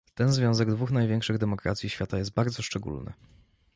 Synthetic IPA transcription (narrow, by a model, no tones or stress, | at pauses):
t̪ɛnzvʲjɔ̃w̃zɛɡd̪vuxnajvʲjɛ̃ŋkʂɘɣd̪ɛmɔkɾa̰t̪sʲjiɕfʲjat̪ajɛst̪̚baɾd̪zɔʂt͡ʂɛɡṵlnɘ̰